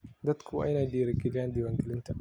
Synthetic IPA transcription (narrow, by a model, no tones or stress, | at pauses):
d̪ɐt̪kʰuʔa̰jnadiːɾɐkidandiwɐŋɡɪlɪnta